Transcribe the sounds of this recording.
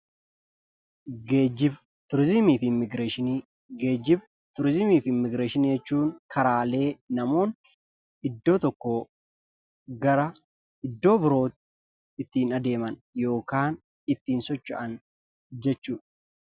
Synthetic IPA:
ɡeːd͡ʒɪb | t̪ʊɾzɪmiːfɪmːɪɡɾeːʃɪni | ɡeːd͡ʒɪb | t̪ʊɾzɪmiːfɪmːɪɡɾeːʃɪnijd͡ʒɛt͡ʃːuːŋkʰɐɾaːle̞ːnɐmo̞ːn | ɪd̪ːo̞ːt̪ɔkːo | ɡɐɾɐ | ɪd̪ːo̞ːbɪɾo̞ːt̪ | ɪt̪ːiːnɐd̪e̞ːmɐnjo̞ːkaːn | ɪt̪ːiːnsɔt͡ʃːɐ̰ʔɐn | d͡ʒɛt͡ʃːuːᶑɐ̥

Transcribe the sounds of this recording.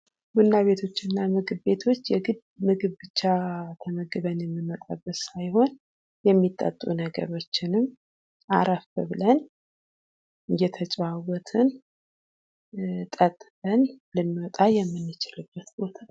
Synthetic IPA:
bunːaβe̞t̪ʰo̞t͡ʃːɪnːamɨɡɨβbe̞t̪ʰo̞t͡ʃːjɛɡɨd̪̚ | mɨɡɨβbɨt͡ʃːat̪ʰəməɡɨβənjɛmːimət̪ʼabːət̪sajho̞n | jɛmːit̪ʼːə̰t̪ʼːunəɡə̰ɾo̞t͡ʃːɪnɨmː | ʔaɾafəβɨlən | ɨjɛt̪ʰət͡ʃʼβawɔt̪ʰɨn | t̪ʼət̪ʼːbənlɨnːwɔt̪ʼajɛmːɨnːɨt͡ʃɪlɨbːət̪bo̞t̪ʰḁ

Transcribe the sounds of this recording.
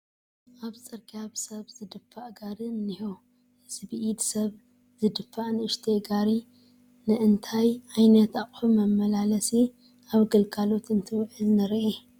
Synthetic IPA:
ʔaβt͡sʼɨɾkʰʼaβsɐβzɨd̪ɨfːaʔɡaɾɨnːiho | z̥ɨβɨʔid̪sɐβ | z̥ɨd̪ɨfːaʔnɨɨʃt̪ʰeɡaɾi | nɨʔɨnt̪ʰajʕajnɐt̪aχʼħumɐmːɐlalɐsi | ʔaβɡɨlkʰʼalo̞t̪ɨnt̪ʰɨwʕɨlnɨɾʔe

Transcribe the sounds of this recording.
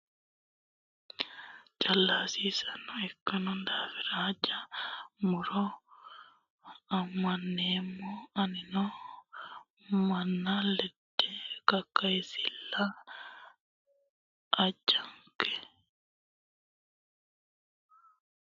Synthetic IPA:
t͡ʃalːasisanɔɛkːanɔndafiɾaːd͡ʒamuɾɔ | amːanːɛmɔaninɔ | manːalɛdːɛkakːajsilːa | ʔːd͡ʒaŋkɛ

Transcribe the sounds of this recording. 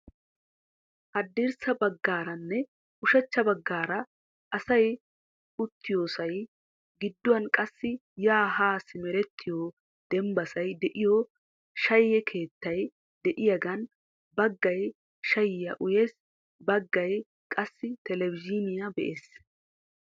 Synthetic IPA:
hɐd̪ːeɾsɐbɐɡːaːɾɐnːɛ | ʊʃɐt͡ʃːɐbɐɡːaːɾɐ | ʔɐsɐj | ʊt̪ːɪjoːsɐj | ɡɪd̪ːʊɐnkʼɐsːɪjaːɦaːsɪmɛɾɛt̪ʰːɪjo | d̪̥ɛmbɐsɐjd̪ɛʔɪjɔ | ʃɐjːɛkʰe̞ːt̪ːɐj | d̪ɛʔɪjɐɡɐn | bɐɡːɐj | ʃɐjɪjɐʔʊjes | bɐɡːɐj | kʼɐsːɪt̪ɛlɛvɪd͡ʒɪnɪjɐbɛ̰ʔeːs

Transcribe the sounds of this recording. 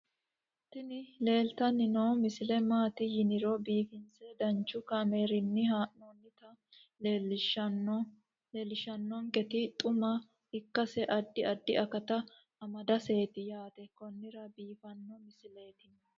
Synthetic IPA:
t̪ːɪnɪle̞ːlt̪ɐnːɪnoːmɪsɪlɛmaːt̪ɪjɪnɪɾɔbiːfɪnt͡sɛd̪ɐnt͡ʃːʊkameːɾɪnːɪɦaːʔonːɪt̪ɐ | elʃ | leːlɪʃɐnːɔŋkɛt̪ɪt̪ʼʊmɐ | hɪkːɐsɛʔɐd̪ːɪɐd̪ːɪʔɐkɐt̪ɐ | ɐmɐd̪ɐse̞ːt̪ɪjaːt̪ɛkɔnːɪɾɐbiːfɐnːɔmɪsɪle̞ːt̪ɪn

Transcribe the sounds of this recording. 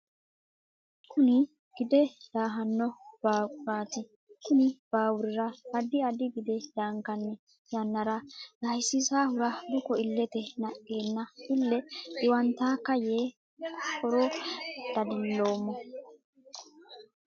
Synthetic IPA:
kʰʊnɪ | ɡ̥ɪd̪ɛd̪aːɦɐnːɔb̥aːkʼʊɾaːt̪ɪ | kʊnɪb̥aːwʊɾɪɾɐbɐd̪ɪɐd̪ɪɡɪd̪ɛd̪aːŋkɐnːɛ | jɐnːɐɾɐd̪ɐjsːɪsaːhʊɾɐd̪ʊkɔɪlːɛt̪ɛnɐʔeːnːɐɪlːɛɪwɐnt̪aːkɐjeː | kʰɔɾod̪̥ɐd̪ɪlːo̞ːmːɔ

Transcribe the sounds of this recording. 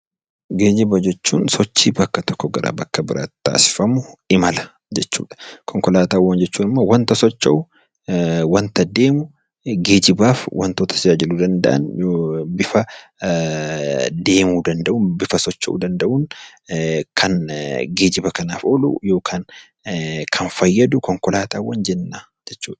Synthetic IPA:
ɡe̞ːd͡ʒɪbɐd͡ʒɛt͡ʃːṵːnsɔt͡ʃːiːbɐkːɐt̪ɔ̥kːɔɡɐɾa̰ːbɐkːɐbɪɾa̰ːt̪t̪ːa̰ːsɪ̥fɐmʊɪmɐlɐ̥ | d͡ʒɛt͡ʃːṵːᶑɐ̥kʰɔŋkɔlaːt̪aːwːɐnd͡ʒɛt͡ʃːuːnɪmːowɐnt̪ɐsɔt͡ʃːɐ̰ʔʊ | wɐnt̪ɐd̪e̞ːmʊ | ɡe̞ːd͡ʒɪbaːfwʔɐ̰nt̪oːt̪ʰɐ̥sɪd͡ʒaːd͡ʒɪlud̪ɐnd̪ɐʔɐ̰njbɪfɐ | d̪e̞ːmuːd̪ɐnd̪ɐʔuːnbɪfɐsɔt͡ʃːɐ̰ʔṵd̪ɐnd̪ɐʔuːn | kʰɐnɡe̞ːd͡ʒɪbɐkɐnaːfoːlṵːjo̞ːkʰaːn | kʰɐnfɐjːɐd̪ʊkɔŋkɔlaːt̪aːwːɐnd͡ʒɛnːaː | d͡ʒɛt͡ʃːṵːᶑɐ̥

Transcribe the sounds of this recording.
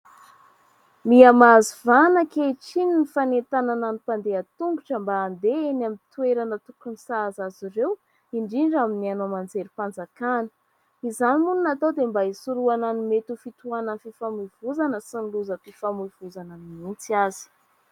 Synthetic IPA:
miamazivanəkeʈ͡ʂininifanent̪anananipand̪eat̪uŋɡuʈ͡ʂəmbaːnd̪eenamint̪ueɾanət̪ukunisazaziɾew | iɳɖ͡ʐiɳɖ͡ʐaminianomand͡zeɾipand͡zakanə̥ | izanimununat̪awd̪embaisuɾuananimet̪ufit̪uanənfifamuv̥uzanəsiniluzəpifamuv̥uzanəmimit͡siazi̥

